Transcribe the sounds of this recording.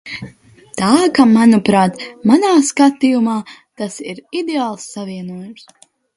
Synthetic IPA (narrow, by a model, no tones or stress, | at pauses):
t̪aːkamanupɾaːt̪manaːskat̪ijumaːt̪asiɾid̪eaːlˠsːaviɛnuɔjums